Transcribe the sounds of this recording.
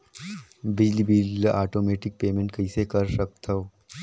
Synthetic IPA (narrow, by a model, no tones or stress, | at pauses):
bɪd͡ʒlibiːlaːʈoːmeːʈɪk̚peːmẽɳʈ̚kɐɪsekɐɾsɐk̚t̪ʰoo